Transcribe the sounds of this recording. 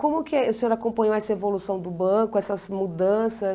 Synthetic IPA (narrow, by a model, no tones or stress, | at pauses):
kõmʊkɪʊsẽoɾakõpɐ̃ɲowɛsɐevolusɐ̃w̃d̪ʊbɐ̃kʊɛsɐzmud̪ɐ̃sɐ